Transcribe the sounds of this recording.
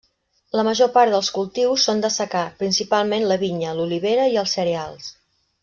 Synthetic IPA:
ləməʒopaɾðəlˠskulˠt̪iwsːond̪əsəkapɾinsipalˠmenləβiɲəluliβ̞eɾəiəlˠsːəɾealˠs

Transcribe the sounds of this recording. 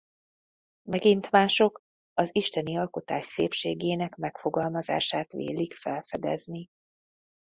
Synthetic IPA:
mɛɡint̪maːʃo̞k | ɒziʃt̪ɛniɒlko̞t̪aːʃseːpʃeːɡeːnɛkmɛkfo̞ɡɒlmɒza̰ːʃaːt̪ʋḛːlikfɛlfɛd̪ɛ̰zni

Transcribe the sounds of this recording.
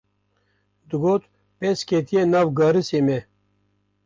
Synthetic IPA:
d̪uɡoːt̪ | peːskeːt̪ijenawɡɑːɾiseːme

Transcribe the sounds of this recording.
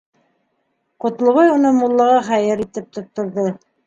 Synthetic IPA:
qŏt̪lˠŏβɑjunɤmulˠːɑʁɑχæjɘɾit̪ɘp̚t̪ŏt̪ːŏɾðo

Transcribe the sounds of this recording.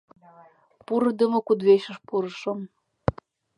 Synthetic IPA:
puɾɤ̆d̪ə̆mŏkud̪βeʃə̆ʃpuɾə̆ʃəm

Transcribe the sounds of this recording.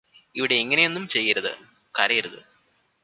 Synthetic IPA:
iʋiɽe̞ːŋːɐne̞jo̞nːumt͡ɕe̞jːiɾɐðɨ̰ | kɐːɾɐjiɾɐðɨ̰

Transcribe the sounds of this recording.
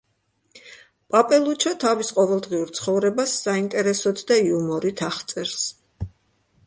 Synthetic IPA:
pʼapʼɛlˠut͡ʃʰat̪ʰavisqʼɔvɛlˠd̪ʁiuɾt̪sʰχɔvɾɛbasːaint̪ʼɛɾɛsɔd̪ʰd̪aiumɔɾit̪ʰaχt̪sʼɛɾs

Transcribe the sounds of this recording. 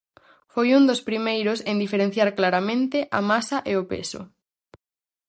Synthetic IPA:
fojund̪ospɾimejɾʊsend̪ifeɾẽn̟θjaɾklaɾamẽnt̪ɪʔamasɐʔeopḛsʊ̰

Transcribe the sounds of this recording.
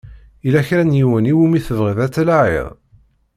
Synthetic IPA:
ilæçɾænjiwəniwumiθəvʁiðæt͡sːlaʕḭðˤ

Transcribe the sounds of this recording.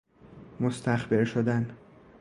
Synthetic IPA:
most̪æxbeɾʃod̪æn

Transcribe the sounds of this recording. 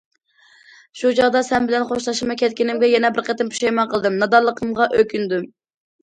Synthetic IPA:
ʃut͡ʃʰɑʁd̪ɑsɛnbɪlɛnχoʃlˠɑʃɨmɑkʲɛt̪̚kʲinɪmɡʲɛjɛnɛbɪɾqət̪ɪnpʰu̥ʃɛjmɛnqʰəlˠɨd̪ɨmnɑd̪ɑɾlˠəqʰəmʁɑʔøkʲynd̪u

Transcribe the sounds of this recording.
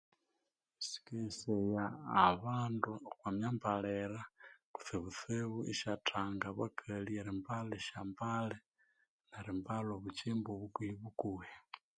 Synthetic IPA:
isi̥kesejaːβaːnduxwamjambaleɾaku̥θeβut͡seβuʔiʃatʰaːŋɡaβakʰalieɾimbaleʃambale | naɾimbaloβut͡ʃimboβukiβukuwe

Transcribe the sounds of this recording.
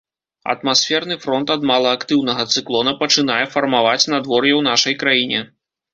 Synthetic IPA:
ɐ̰t̪masʲfʲɛrnɨfɾɔnt̪ɐd̪malˠɐːkt̪ɨwnɐɣɐt̪sɨklˠɔnɐpɐt͡ʂɨn̪ajɛfɐrmavat͡sʲnad̪vɔrjɛwn̪aʂɐjkɾajinʲɛ

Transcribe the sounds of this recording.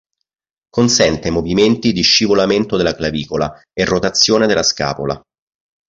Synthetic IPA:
konsɛnt̪emoviment̪id̪iʃːivolament̪od̪elːaklaviːkola | erːot̪at̪sːjoːned̪elːaska̰ːpo̰la̰

